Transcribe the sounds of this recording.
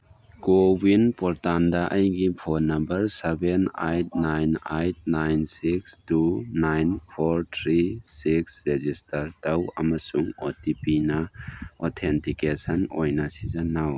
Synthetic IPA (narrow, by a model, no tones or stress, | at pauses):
ɡ̥obinpɔɾtandɐʔɐjɡipʰoɾnɐmbɐɾsebenajt̚najnajt̚najnsikstunajnpʰoɾtʰɾisiksɾezistɐɾtɐwɐ̰mɐsuŋotipinɐɔtʰentikesɐnojnɐsizanaw